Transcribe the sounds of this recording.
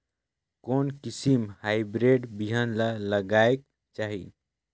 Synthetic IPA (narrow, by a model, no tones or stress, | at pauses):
konkisimhaɪbɾeɖbiɦənlələɡaek̚ | t͡ʃaɦḭ